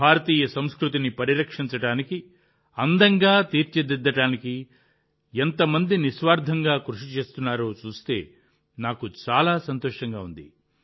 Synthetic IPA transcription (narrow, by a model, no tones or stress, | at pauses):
bʱaːɾɐt̪iːjɐsɐmskɾut̪̬inipɐɾiɾɐkʂiɲt͡ʃɐɽaːniki | ɐnd̪ɐŋɡaːt̪iːɾt͡ʃed̪id̪ːɐʈaːniki | ent̪ɐmɐnd̪inisʋaːɾd̪ʱɐŋɡaːkɾuʂit͡ʃe̞ːst̪unːaːɾo̞ːt͡ʃuːst̪e̞̰ː | naːkut͡ʃaːlaːsɐnt̪oːʂɐŋɡaːund̪ḭ